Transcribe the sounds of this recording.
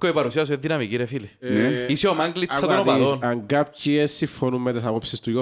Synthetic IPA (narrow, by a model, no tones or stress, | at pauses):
koepaɾusias̬ueðːinamikiɾefilineisiomaŋɡlit͡ʃːat̪ont̪paɾonaŋɡap̚ciesːifonummɛt̪esapopsist̪ujo